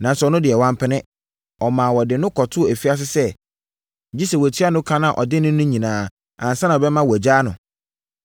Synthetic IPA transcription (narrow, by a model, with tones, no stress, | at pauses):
nã˨n˨sɛ˨ɔ˨nʊ̃˦dɪ˨ɛ˨wã˦mpʰɪ˦nɪ̃˦ | ɔ˨mã˨wɔ˨dɪ˨nʊ̃˦kʰɔ˨tʰʊ˦˨æ˨fi˦a˦s̬ɪ˦sɛ˦˨ | d͡ʑi˦sɛ˨wtʰi˦a˦nʊ̃˦kʰã˦nã˦˨ʔɔ˨dɪ˦nʊ̃˦nʊ̃˦ɲĩ˨nãː˨ | ã̰˨n̩˨sã˦nã˨bɛ˦mã˦wɔ˨æ˨d͡ʑaː˦nʊ̃˨